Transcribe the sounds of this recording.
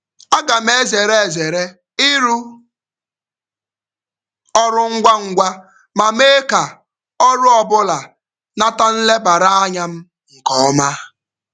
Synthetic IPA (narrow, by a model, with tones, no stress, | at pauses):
a˦ɡa˨m˦e˦ze˨ɾe˦e˨ze˨ɾe˦ | ɪ˦ɾu˦ | ɔ˦ɾʊ˦ŋ̩˦ɡʷa˦ŋ̩˦ɡʷa˦ | ma˨me˦ka˨ | ɔ˦ɾʊ˦ɔ˨bʊ˦la˨ | na˦ta˦n̩˦le˦ba˨ɾa˦a˦ɲa˦m̩˦ | ŋ̩˨kɔ˦ma˦